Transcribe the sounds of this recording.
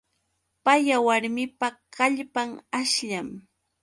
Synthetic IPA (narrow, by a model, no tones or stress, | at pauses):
pajawaɾmɪpakaʎpaŋaʃʎam